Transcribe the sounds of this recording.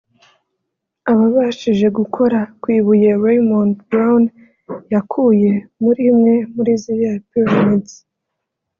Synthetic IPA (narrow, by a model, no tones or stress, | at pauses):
aβaβaʃiʒe̞ɡukʰo̞ɾakwiːβuje̞ɾejmontbɾawn | jakʰuje̞muɾimŋe̞muɾizijapiɾomidz